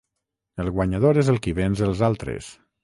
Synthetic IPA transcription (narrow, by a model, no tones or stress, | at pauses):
əlˠɣwaɲaðoɾezəlˠkiβenzəlˠzalˠt̪ɾḛs